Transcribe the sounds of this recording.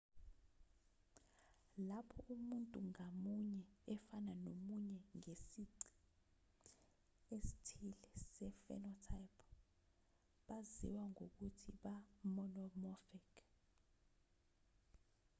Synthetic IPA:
lapʰɔʔumuntʼuŋamuɲɛɛfananomuɲɛŋesiǀi̥ | esi̥tʰilɛsɛfɛ̰nɔtʰajpʰɔ̥ | ɓazḭwaŋok̬utʰiɓamɔnɔmɔfɛk

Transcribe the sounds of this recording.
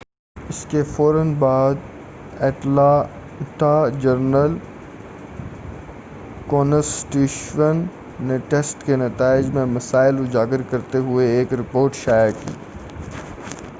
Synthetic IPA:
ɪskefɔːɾənbaːd̪ | ɛːʈla | ɪʈad͡ʒɐɾnəl | koːnəsʈiːʃʋənː | ẽʈeːsʈkenɐt̪aːɪd͡ʒmẽmɐsaːɪlʊd͡ʒaːɡɪɾkɐɾt̪eɦʊeeːkɾɪpoːɾʈʃaːjakḭː

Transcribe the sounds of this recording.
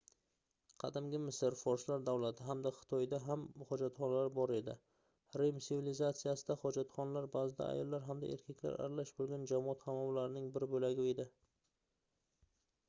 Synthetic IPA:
qʰɑ̰d̪ɪmɡʲɪmɪsɪɾfɒɾslaɾd̪awlat̪ʰɪɦamd̪aχɨ̥t̪ʰɒjd̪aɦamhɒd͡ʒat̪χɒnalaɾbɒɾe̞d̪ɪ | ɾemsɪvilɪzat̪sijasɪd̪aχɒd͡ʒat̪χɒnalaɾbazɪd̪a̰a̰jɒlˠːaɾɦamd̪a̰ʔe̞̰ɾkʲʰakʲla̰ɾa̰ɾalaʃbolˠɡʲand͡ʒamɒɑt̪hamɒmlaɾɪnɪŋbɪɾbolaɡʲɪed̪ɪ

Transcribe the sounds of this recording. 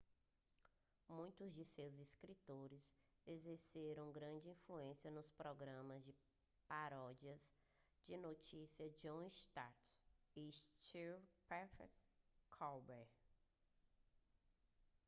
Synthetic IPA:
mũj̃t̪ʊzd͡ʒɪsewziskɾit̪oɾɪzezeɾseɾɐ̃w̃ɡɾɐ̃d͡ʒɪĩfluẽsiɐnʊspɾɔɡɾɐ̃mɐzd͡ʒɪ | paɾɔd͡ʒiɐz | d͡ʒɪnot͡ʃisiɐd͡ʒõʃt̪aɾt̪iʃt͡ʃiɾpɛfɛkʰɔwbɛɾ

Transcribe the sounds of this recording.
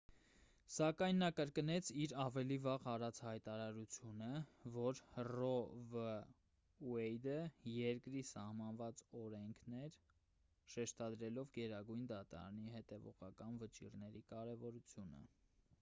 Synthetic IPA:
sɑkɑjnːɑkəɾkənɛt͡sʰiɾɑvɛlivɑʁɑɾɑt͡sʰhɑjt̪ɑɾɑɾut͡sʰjunəvɔɾrɔvə | wɛjd̪əjɛɾkɾisɑhmɑnvɑt͡sɔɾɛŋkʰnɛɾ | ʃɛʃt̪ɑd̪ɾɛlɔvɡɛɾɑɡujnd̪ɑt̪ɑ̰ɾɑ̰niɦɛt̪ɛvɔ̰ʁɑkɑnvət͡ʃḭɾnɛɾikɑɾɛvɔɾut͡sʰjunə̰

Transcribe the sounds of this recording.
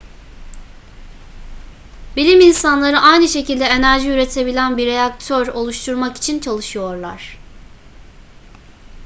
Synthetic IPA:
bilʲiminsanlˠaɾɯʔajnɯʃe̞cilʲd̪ɛe̞næɾʒiyɾe̞t̪ʰe̞bilʲænbiɾejakt̪ʰøɾo̞lˠuʃt̪ʰuɾmaki̥t͡ʃʰint͡ʃʰalˠɯʃɯjo̞ɾlˠa̰ɾ̥

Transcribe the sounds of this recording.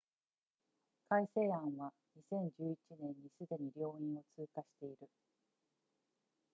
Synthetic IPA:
kaise̞ːãɰ̃βa | ɲ̟isẽ̞ɲ̟d͡ʑɨːit͡ɕinẽ̞ɲːisɨd̪e̞ɲ̟iɾʲo̞ːĩɰ̃o̞t͡sɨːkaɕi̥t̪e̞iɾɯ̟

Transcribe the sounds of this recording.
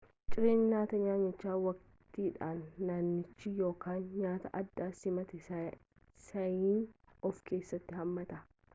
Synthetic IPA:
t͡ʃʼɪɾeːnɲaːt̪ɐɲaːɲːɐt͡ʃːaːwɐk | t̪iːᶑaːnːaːnːɪt͡ʃːɪjo̞ːkaːnɲaːt̪ɐʔɐd̪ːaːsɪmɐt̪ɛ | sɐjiːnɔfke̞ːsːɐt̪ːɪhɐmːɐt̪ɐ

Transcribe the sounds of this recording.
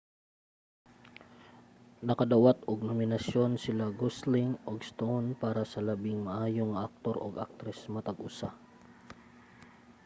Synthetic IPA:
nɐkɐd̪ɐwat̪oɡ̚nomɪnɐsjo̞nsɪlaɡoslɪŋʔoɡst̪ownpaːɾɐsɐlɐbɪŋmɐʔaːjoŋɐʔak̚t̪o̞ɾʔo̰ɡʔa̰k̚t̪ɾɛsmɐt̪ɐɡʔʊsa

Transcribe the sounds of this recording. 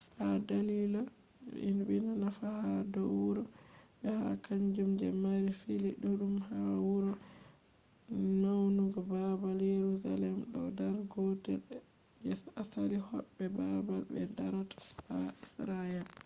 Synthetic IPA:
hadalila | ḭnbinanafahadɔwuɾɔ | ɓɛha̰kaɲd͡ʒumd͡ʒɛ̰maɾifiliɗuɗumhawuɾɔ | nawnuɡɔbabaljeɾuza̰lɛmɗɔ̰daɾɡɔtɛ̰ | d͡ʒɛsasalihɔbːɛbabalbɛ̰daɾatḁhaisɾaɛl

